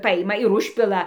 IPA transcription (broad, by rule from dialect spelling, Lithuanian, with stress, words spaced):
ˈpɑːjɪmɐ ɪr ˈʊʃʲpʲɪlˠɐ